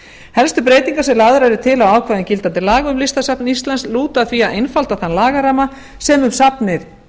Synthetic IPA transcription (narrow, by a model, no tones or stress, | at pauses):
hɛlst̪ʏpɾeːjt̪iŋkasɛmlaːðʏɾaɾʏt̪ʰɪlawaːwkʰvajðɪncɪlt̪ant̪ɪlaːɣʏmlist̪asapnist̪lansluːt̪aθviaðejnfalt̪aθanlaːɣaɾama | sɛmʏmsapnɪθ